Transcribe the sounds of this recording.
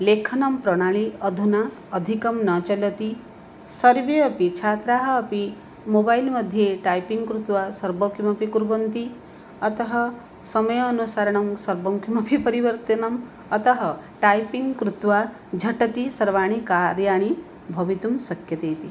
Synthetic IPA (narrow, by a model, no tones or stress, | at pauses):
lekʰɐnɐmpɾɔɽ̃aɭiʌd̪ʱunaː | d̪ʱikɔmnɐt͡ʃɔlɔt̪i | sʌɾbeʌpit͡ʃʰat̪ɾaɦɐːpi | mobajlmʌd̪ʱjeʈajpiŋɡkɾut̪wasɐɾbɔkimɐpikuɾbɔnt̪i | ɐt̪ɔɦɔ | sʌmʌjɔːnusaɾɐɽ̃ɔmsɐɾbɔmkimɐpʰipɐɾiʋəɾt̪ɐnɐm | ʌt̪ɔɦʌʈajpiŋɡkɾut̪wa | d͡ʒʱɐʈɐt̪isɐɾʋaɽ̃ikaɾjaɽ̃i | bʱʌbit̪umsɐkjɐt̪ejt̪i